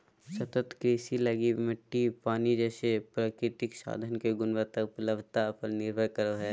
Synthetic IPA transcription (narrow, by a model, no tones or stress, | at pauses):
sɐt̪ət̪kɾeːsilɐɡimɪʈːipaːnid͡ʒɛːsepɾaːkɾɪt̪ɪksa̰ːd̪ʱənkeɡʊnʋət̪ɐk̚pɐləbt̪aɐpʰəlnɪɾbʱəɾkɐɾoɦɛː